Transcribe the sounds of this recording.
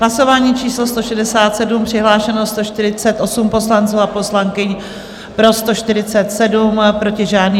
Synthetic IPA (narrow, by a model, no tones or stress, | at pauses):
ɦlaso̞vaːɲiːt͡ʃiːslost̪o̞ʃɛdɛsaːt̪sɛdumpr̥ɪɦlaːʃɛnost̪o̞ʃt̪ɪɾɪt͡sɛt̪ʔo̞sumpo̞slant͡suːapo̞slaŋkɪɲ | pɾo̞st̪o̞ʃt̪ɪɾɪt͡sɛt̪sɛdumpɾo̞cɪʒaːdniː